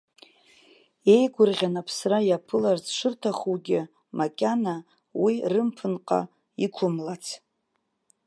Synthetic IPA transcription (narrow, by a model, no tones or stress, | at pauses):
e̞jɡʷʊrʁʲanapʰsrajapʰɨlart͡sʰʼʂɨrtʰaχuɡʲɪ | makʲʼana | wirɨmpʰɨnqʼa̰ | ikʷʰʊmlat͡sʰ